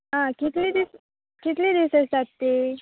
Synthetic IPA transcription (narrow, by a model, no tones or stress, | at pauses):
ɦãkit̪lid̪is | kit̪lid̪isəsat̪ːi